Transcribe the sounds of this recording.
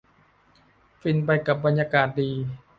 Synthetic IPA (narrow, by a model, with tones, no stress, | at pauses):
fi˧˩npa˧jka˨˩p̚ba˧njaː˧kaː˨˩t̪̚diː˧